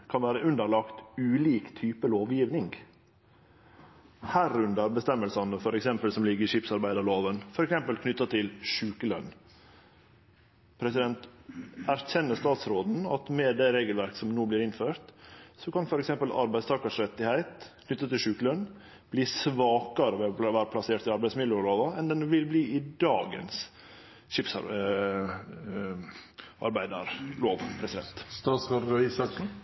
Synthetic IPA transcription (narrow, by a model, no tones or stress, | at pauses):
kʰɑnʋæːɾəʔʉnd̪əɾɭɑkt̪ʉːliːkt̪ʰyːpəloːʋjiːʋnɪŋɡ | hæːɾʉnd̪əɾbəst̪ɛmːəlsɑnəfɔɾɛksɛmpəlsɔmlɪɡːəɾɪʂɪpsɑɾbæɪd̪əɭoːʋənfɔɾɛksɛmpəlkʰnʏt̪ːɑt̪ʰɪlʂʉːkəlœ̰n | pʰɾɛsɪd̪ɛnt̪æɾçɛnːəst̪ɑːt̪sɾoːd̪n̩ɑt̪mɛd̪ɛɾeːɡəlʋæɾksɔmnoːbliːɾɪnføːɾt̪sɔkɑnfɔɾɛksɛmpəlɑ̰ɾbæɪst̪ɑːkɑʂɾɛt̪ːɪhæɪt̪kʰnʏt̪ːət̪ʰːɪlʂʉːklœn | b̥liːsʋɑːkɑɾəʋɛʋæːɾəpʰlɑseːʈ̪ɪɑɾbæɪsmɪəʊɾoːd̪əɛnd̪ɛnʋɪlbliːʔɪd̪ɑːɡə̰ns | ʃɪpsɑ̰ | ɑ̰ɾbæɪd̪əɾloːʋpʰɾɛsɪd̪ɛ̰nt̪st̪ɑːt̪sʁɑɾɾisɑksn̩